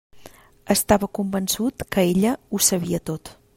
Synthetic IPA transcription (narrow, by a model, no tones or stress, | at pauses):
əst̪aβəkumbənsut̪kəeʎəusəβ̞iət̪ot̪